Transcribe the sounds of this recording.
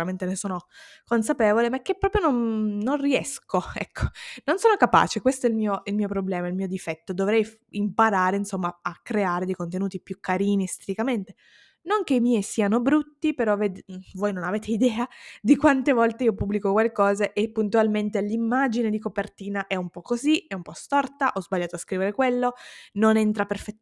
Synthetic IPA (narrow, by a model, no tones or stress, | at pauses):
uɾament̪enesoːnokons̬apeːvolemak̟ːepːɾɔːpɾjononnonriɛ̰skoɛ̰kʰːo̥nonsoːnokapa̰ːt͡ʃekwest̪oɛilmiːoilmiːopɾoblɛːmailmiːod̪ifɛt̪ːod̪ovɾɛjf | impaɾaːɾeinsomːaakːɾeaːɾed̪ejkont̪enuːt̪ipjukːaɾiːnist̪et̪ikament̪e̥ | noŋk̟eimijsiːanobɾut̪ːipeɾɔved̪voːjnonaveːt̪eid̪ɛːad̪ikwant̪evɔlt̪eiːopubːlikokwalkɔːzeʔepːunt̪ualment̪elimːad͡ʒined̪ikopert̪iːnaʔɛumpɔkːoziɛumpɔst̪ɔrt̪aʔɔzbaʎːaːt̪oaskɾiːveɾekwelːononɛnt̪ɾaperfɛ